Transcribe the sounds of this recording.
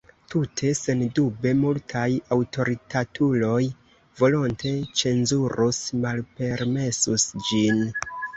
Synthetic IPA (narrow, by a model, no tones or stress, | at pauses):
tutʰe̞se̞ndube̞multʰajawto̞ɾitʰatʰulo̞j | vo̞lonte̞t͡ʃe̞nzuɾusmalpe̞ɾme̞susd͡ʒin